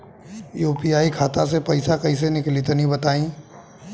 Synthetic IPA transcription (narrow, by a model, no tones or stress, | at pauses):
juːpijaːikʰaːt̪ãs̬epɐɪsakɐis̬enɪklit̪nĩbɐt̪aːĩː